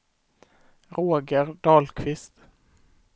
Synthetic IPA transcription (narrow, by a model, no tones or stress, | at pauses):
ɾoːɡəɾɖ̪ɑːlkʰvɪst̪